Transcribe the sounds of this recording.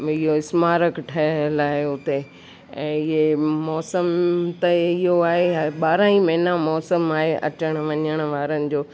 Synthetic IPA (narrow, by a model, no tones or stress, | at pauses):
ɪɦoɪsmaːɾəkʈʰɐəlaːɪʊt̪e | ɛ̃ːɪɦemɔːsəmt̪ɐɪɦoaːɦeɓaːɾãĩmɐ̃ɦɪnamɔːsəmaːɦeʔɐ̰t͡ɕəɽ̃ʋɐɲəɽ̃̆ʋaːɾənɪ̆d͡ʑoː